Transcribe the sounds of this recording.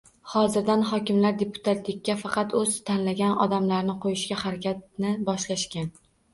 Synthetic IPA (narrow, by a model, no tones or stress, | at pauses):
hɒzɪɾd̪anχɒkʲɪmlaɾd̪e̞pʰʊ̥t̪ʰat̪lɪkʲːafɑqɑt̪ɵz̥t̪ʰanlaɡʲanɒ̰d̪amlaɾnɪqʰojɪʃkʲahaɾakʲʰat̪̚nɪbɒʃlaʃkʲan